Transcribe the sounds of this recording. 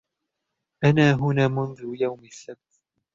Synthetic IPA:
ʔanaːɦʊnaːmʊnðʊjawmasːab̚t̪

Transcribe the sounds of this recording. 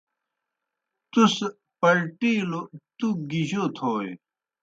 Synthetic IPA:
t̪us | pɐɾʈiːlot̪uɡiʑot̪ʰoːj

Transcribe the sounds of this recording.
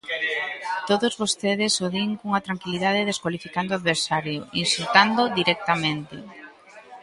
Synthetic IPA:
t̪oðozβost̪eð̞ɪsoðiŋkuŋat̪ɾaŋkiliðað̞eðeskwalifikand̪oaðβeɾsaɾjoinsult̪and̪oðiɾɛk̚t̪amẽnt̪ɪ

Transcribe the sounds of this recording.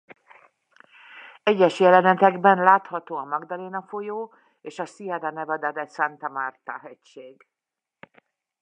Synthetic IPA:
ɛɟːɛʃjɛlɛnɛt̪ɛɡbɛnlaːt̪hɒt̪oːɒmɒɡd̪ɒleːnɒfojoː | eːʃɒsiɛd̪ɒnɛvɛd̪ɛd̪ɛsant̪ɒmaːrt̪ɒɦɛcʃeːɡ

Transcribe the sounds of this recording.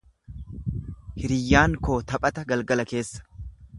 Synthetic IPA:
hɪɾɪjːaːŋko̞ːt̪ɐpʼɐt̪ɐɡɐlɡɐlɐke̞ːsːɐ̥

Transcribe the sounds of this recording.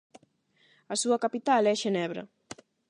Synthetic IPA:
ɐsuɐkapit̪alɛʃenɛβɾɐ̰

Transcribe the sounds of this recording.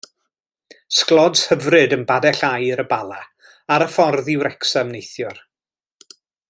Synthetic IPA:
sklˠɔdshəvrɨdənbadɛɬajɨɾəbalˠa | aɾəfɔrðɪwɾɛksamnejθjʊr

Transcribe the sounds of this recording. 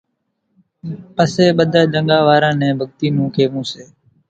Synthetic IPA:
pəseːɓəd̪ʱaːd͡ʒəŋɠaːʋaːɾãːnɛ̃ːbʱəɠt̪iːnũːkʰeːmũːseː

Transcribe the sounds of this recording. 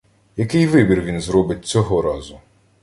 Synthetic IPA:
jɐkɪjʋɪbʲirʋʲinzɾɔbɪt̚ʲt͡sʲɔɦɔɾɑzʊ

